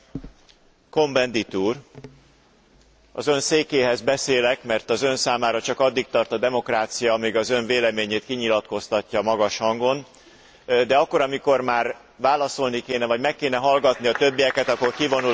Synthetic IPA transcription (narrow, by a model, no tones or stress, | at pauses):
ko̞mbɛnd̪it̪uːr | ɒ̰zø̞nseːkeːɦɛzbɛseːlɛkmɛrt̪ɒzø̞nsaːmaːɾɒt͡ʃɒkɒd̪ːik̚t̪ɒrt̪ɒd̪ɛmo̞kraːt̪sijɒmiɡɒzø̞ɱveːlɛmeːɲeːt̪kiɲilɒt̪ko̞st̪ɒcːɒmɒɡɒʃhɒŋɡo̞n | d̪ɛɒkːo̞ɾɒmiko̞rmaːr | vaːlɒso̞lnikeːnɛvɒɟmɛkːeːnɛɦɒlɡɒt̪niɒt̪ø̞bːijɛkɛt̪ɒkːo̞rkivo̞nu